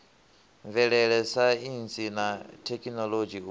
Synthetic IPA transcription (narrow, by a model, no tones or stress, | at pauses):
ɱvɛɺɛɺɛsainsʼinatʰɛkʼinɔlod͡ʒi